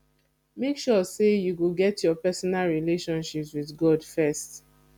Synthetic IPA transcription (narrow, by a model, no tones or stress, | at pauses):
mekʃɔsejuɡoɡɛtʰjɔpɛsɔnalɹileʃɔ̃nʃipswiðɡɔdfɛst